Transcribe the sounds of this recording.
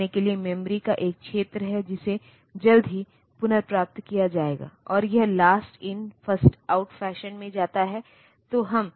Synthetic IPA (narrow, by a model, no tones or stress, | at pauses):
ekeliemɛ̃mɾikaʔeːk̚kʃeːt̪ɾəɦɛd͡ʒɪse | d͡ʒɐld̪ʱɦi | pʊnəɾpɾaːp̚t̪kijad͡ʒaːeːɡa̰ːɔːɾjɐɦlaːsʈɪnfɐsʈaːʊʈfɛːʃənmẽd͡ʒaːt̪aɦɛ | t̪oɦɐm